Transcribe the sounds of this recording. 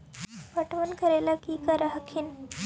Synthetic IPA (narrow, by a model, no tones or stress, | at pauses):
paʈʋənkəɾajlakikaɾaɦəkʰiːn